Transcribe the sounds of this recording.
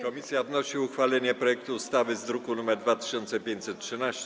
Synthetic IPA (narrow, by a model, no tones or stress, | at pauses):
kɔmʲisʲjad̪nɔɕiuxfalɛɲɛpɾɔjɛk̚t̪uːst̪avɘzd̪ɾukunumɛɾd̪vat̪ɘ̥ɕɔnt̪sɛpʲjeɲt͡ɕʲsɛt̪̚tʂɘnaɕt͡ɕɛ